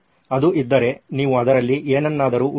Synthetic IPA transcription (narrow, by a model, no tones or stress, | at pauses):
ɐd̪uʔid̪ːɐɾe̞niːʋuɐd̪ɐɾɐlːiʔeːnɐnːaːd̪ɐɾuːʔ